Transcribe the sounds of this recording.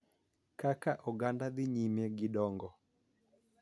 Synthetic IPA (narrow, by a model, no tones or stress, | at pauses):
kakaʔɔɡandad̪ɪɲimeɡɪdɔŋɡɔ